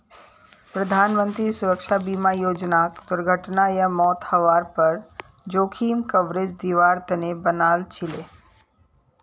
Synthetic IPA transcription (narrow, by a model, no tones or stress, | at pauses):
pɾəd̪ʱaːnmə̃nt̪ɾisʊɾəkʃabiːmajoːd͡ʒnaːkd̪ʊɾɡʱəʈnajəmɔːt̪hɐʋaːɾpɐɾ | d͡ʒoːkʰiːmkəʋɾed͡ʒd̪iʋaːɾt̪ənebənaːlt͡ʃʰɪleː